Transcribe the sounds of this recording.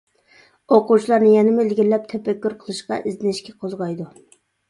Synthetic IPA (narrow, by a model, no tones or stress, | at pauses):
oqut͡ʃʰilˠɑɾnɨjɛnɪmulɡʲilːɛp̚t̪ʰɛpɛkʲːyɾqʰəlˠɨʃqɑ̰ʔɪzɪnɪʃkʲɛqʰozʁɑjd̪u